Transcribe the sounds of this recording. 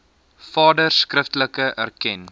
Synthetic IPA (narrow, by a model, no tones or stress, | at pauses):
fɑːdərskrəftələkəʔærkɛn